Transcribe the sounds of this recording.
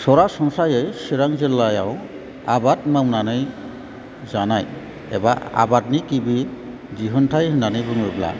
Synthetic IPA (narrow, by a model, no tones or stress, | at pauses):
sɔɾasɔŋsajejsiɾaŋzilːajaw | abat̚mawnanɯj | zanaj | ɛ̰baa̰bat̚nikibi | d͡ʒiɦɔntʰajɦɯnanibuŋebla̰